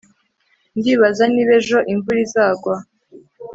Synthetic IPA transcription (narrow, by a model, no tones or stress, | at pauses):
ndiːβazaniβe̞ʒo̞ʔiɱvuɾizaːɡwa